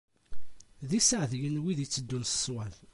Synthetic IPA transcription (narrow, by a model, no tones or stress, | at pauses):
ðisəʕðjənwiðit͡sːəd̪ːunsə̥swæl